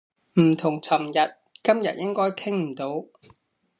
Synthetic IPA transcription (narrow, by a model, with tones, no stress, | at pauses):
m̩˨˩t̪ʰʊ˨˩ŋt͡sʰɐ˨˩mjɐ˨t̚kɐ˥mjɐ̰˨t̚jɪ˥ŋkɔː˥jkʰɪ˥ŋm̩˨˩t̪o˨˥w